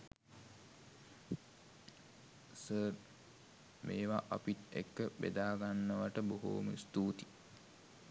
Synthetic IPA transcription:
səːr | meːʋaʔapit̪ḛkːəbḛd̪aːɡanːəʋaʈəboɦo̰ːməst̪uːt̪i̥

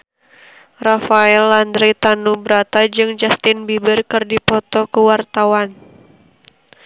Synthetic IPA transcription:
rafaɛlːand̪ɾit̪anubɾat̪ad͡ʒɨŋd͡ʒast̪ɪnbibɪrkɨrdipɔt̪ɔkəwart̪awan

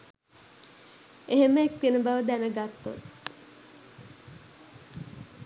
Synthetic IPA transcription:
eɦeməek̚t̪enəbaʋəd̪ænəɡat̪ːo̰t

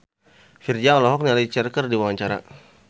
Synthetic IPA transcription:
fird͡ʒaŋlɔɦɔk̚nalait͡ʃɛrkərdiwaŋaɲt͡ʃaɾa̰

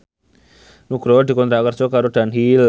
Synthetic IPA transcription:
nuɡ̥ɾɔd̪i̤kɔnt̪ɾaʔkərd̥d͡ʒ̥ɔkaɾod̥anɦil

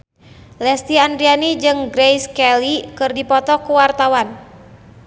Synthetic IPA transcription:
lɛst̪iandɾianid͡ʒɨŋɡɾɛjskɛlikɨrdipɔt̪ɔkuwart̪awan

